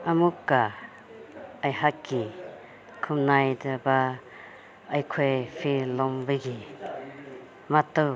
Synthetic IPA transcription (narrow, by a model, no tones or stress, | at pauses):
amukːa | ajhakːi | kʰumnajdaba | ajkʰojpʰilɔmbɯjɡi | matːɯw